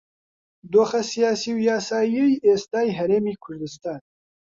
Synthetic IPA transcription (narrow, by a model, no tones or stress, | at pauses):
d̪oːxɛsijaːsiːwjaːsaːjejʔeːst̪aːjɦɛɾeːmiːkʰʊɾd̪ɨst̪aːn